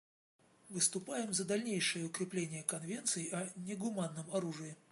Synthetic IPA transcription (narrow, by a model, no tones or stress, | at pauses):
vɨst̪ʊpajɪmzəd̪ɐlʲnʲejʂɨjəʊkɾʲɪplʲenʲɪjəkɐnvʲe̞nt̪sɨjɪʔɐnʲɪɡʊmanːəmɐɾuʐɨjɪ